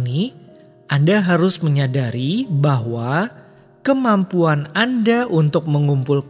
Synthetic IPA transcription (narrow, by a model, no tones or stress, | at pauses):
ni | ʔandaɦaɾʊsməɲadaɾibaɦwa | kəmampuanandaʔunt̪ʊk̚məŋumpulk